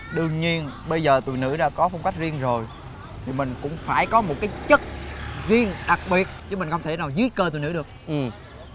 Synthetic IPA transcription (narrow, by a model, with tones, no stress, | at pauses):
ɗɨ˨˩əŋɲi˧ənɓə˧jzəː˨˩t̪ṵ˧˨jnɨ̰˧˥ɗa̰ː˧˥kɔ˨˦fa˧wŋ͡mka˦˥jk̟̚zi˧ənzo˨˩j | t̪ʰi˨˩mï˨˩ŋ̟kʊ̰˧˥ŋ͡mfaː˧˩jkɔ˨˦mo˨˩t̚kaː˨˦jt͡ɕə˦˥t̚zi˧ənɗa˨˩k̚ɓi˨˩ət̚t͡ɕɨ˧˨˦mi̟˨˩xə˧wŋ͡mt̪ʰe˧˩naː˨˩wzɨ˨˦jkəː˧t̪ṵ˨nɨ̰˧˥ɗɨ˨˩k̚ʔɨ˨˩